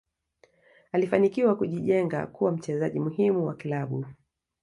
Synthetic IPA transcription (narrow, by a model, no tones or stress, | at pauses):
alifanikiwakuʄiʄɛŋɡa̰kuwam̩t͡ʃɛzaʄimuɦimuwakilaɓu